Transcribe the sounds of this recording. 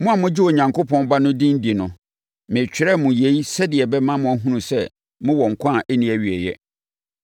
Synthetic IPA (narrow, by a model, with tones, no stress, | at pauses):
mʊ̃˦a˨mʊ̃˦d͡ʑɪ˦o˨ɲã˨ŋko˦pʰɔ̃˦nba˦nʊ̃˦dĩ˦n̩˦di˨nʊ̃˨ | mɪ̃˨t͡ɕᶣɪ˦ɾɛ˦mʊ̃˨je˨˦i˦sɛ˦dɪ˨ɛ˨bɛ˦mã˦mʊ̃˨æ˦ɦũ˦nũ˨sɛ˦ | mʊ̃˦wɔ˨ŋ̩˨kʷʰã˦˨ʔɛ˦nĩ˨˦æ˨ɥi˨ɛ˨jɛ̰˦